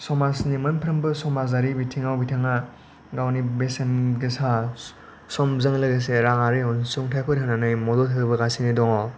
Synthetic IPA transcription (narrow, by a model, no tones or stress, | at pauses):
sɔmasnimɐnpʰɾɯmbɯsɔmazaɾibitʰiŋawbitʰaŋa | ɡawnibesenɡesa | sɔmzɯŋlɯɡes̬eɾaŋaɾɯjɔnsuŋtʰajpʰɯtɦananɯjmɔdɔtʰɯbɯɡasinidɔŋɔ